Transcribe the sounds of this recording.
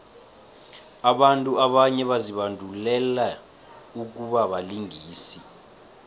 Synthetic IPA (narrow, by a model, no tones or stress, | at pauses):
aɓantʼuaɓaɲɛɓaziɓandʱulɛla | uk̬uɓaɓaliŋiːsi